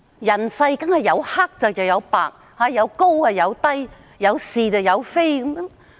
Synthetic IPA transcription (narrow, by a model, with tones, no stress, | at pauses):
jɐ˨˩nsɐ˧jkɐ˥nhɐ˨˩jɐ˨˧wha˥k̚t͡sɐ˨wjɐ˨wjɐ˨˧wpa̰ː˨k̚ | haː˧jɐ˨˧wko˥wɐː˧jɐ˨˧wt̪ɐ˥j | jɐ˨˧wsiː˨t͡sɐ˨˧wjɐ˨˧wfe˥jkɐ˨˥mjŋ